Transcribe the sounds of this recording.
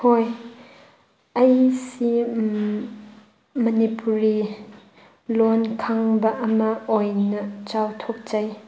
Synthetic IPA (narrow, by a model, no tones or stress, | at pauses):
hoj | ɐjsi | mɐnipuɾi | lɔnkʰaŋbɐʔɐmɐɔjnɐt͡ʃawt̪ʰɔk̚t͡ʃɐj